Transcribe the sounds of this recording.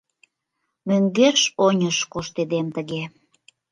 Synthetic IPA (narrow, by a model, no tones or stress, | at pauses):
møŋɡeʃonʲəʃkoʃt̪ed̪emt̪əɣe